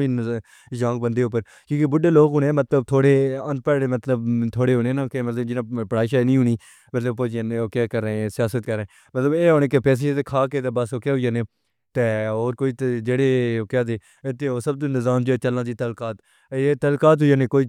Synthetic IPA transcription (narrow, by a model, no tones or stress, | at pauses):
iːn | d͡ʒãːŋɡbənd̪eːʊp̬ːəɾ | kjõːkebʊɖeːloːkɦʊnẽːmət̪ləbt̪ʰoːɽeːə̃nt̪̚pəːemət̪ləbt̪ʰoːɽeːɦoːneːnakemət̪ləbd͡ʒɪnãːpəɽaːɪʃaeːnĩːɦʊɳiː | mət̪ləb̚poːd͡ʒaːneokjaːkəɾẽsɪjaːsət̪̚kəɾẽː | mət̪ləbeːɦoːnẽːkepɛːs̬eːet̪ekʰaːkeːt̪aːbəsokjaːɦʊjaːneː | t̪eːoːɾkoːiːt̪d͡ʒeːɽeːokjaːd̪eː | ɪt̪ːeoːsəb̚t̪õːnɪzaːmd͡ʒeet͡ʃəlnãːd̪iːt̪əlkaːt̪ | eːt̪əlkaːt̪̬ɦʊjaːnẽːkoːiː